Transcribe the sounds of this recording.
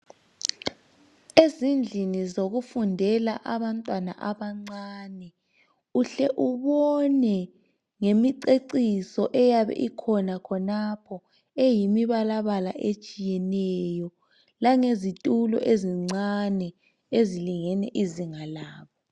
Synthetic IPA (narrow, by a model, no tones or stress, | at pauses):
ezind͡ɮʱinizoɣufundʱɛlaʔaβantʼwana̰ʔaβaŋ͡ǀanɛ | uɬɛʔuβɔnɛ | ŋemiǀeǀisɔʔɛjaβɛ̰ʔikʰɔnakʰɔnapʰɔ | ejimiβalaβalaʔet͡ʃʼijɛnɛjɔ | laŋezitʼulɔ̰ʔeziŋ͡ǀanɛ | eziliŋɛnɛʔiziŋalaːβɔ